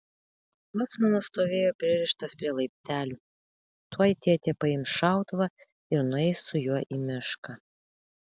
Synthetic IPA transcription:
lˠɔt̪smɐnost̪oːʋʲeːjoːpʲɾʲɪɾʲɪʃt̪ɐspʲɾʲiɛlˠɐɪpʲt̪ʲæːlʲʊ | t̪uɔjt̪ʲeːɛt̪ʲeːpɐɪmʃɑˑʊt̪ʋɐ | ɪɾnʊɛɪsʊjuɔʔimʲɪʃkɐ

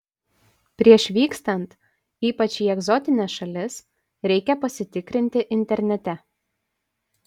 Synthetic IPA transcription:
pʲɾʲiɛʃʋʲiːkst̪ɐnt̪ | iːpɐt͡ʃʲiːɛɡzɔt̪ʲɪnʲɛsʃɐlʲɪs | ɾʲɛɪkʲɛpɐsʲɪt̪ʲɪkɾʲɪnʲt̪ʲɪʔɪnʲt̪ʲɛɾʲnʲɛt̪ʲɛ

